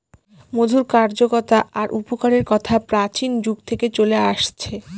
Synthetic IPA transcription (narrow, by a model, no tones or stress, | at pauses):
mod̪ʱuɾkaɾd͡ʑokɔt̪aʔaɾʔupokaɾeɾkɔt̪ʰapɾat͡ɕind͡ʑuɡt̪ʰeket͡ɕoleaʃt͡ɕʰe